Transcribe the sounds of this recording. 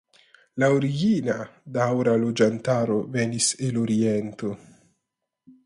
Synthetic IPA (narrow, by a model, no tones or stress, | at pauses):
laoɾiɡinadawɾalo̞d͡ʒantaɾo̞veniseloɾiento̞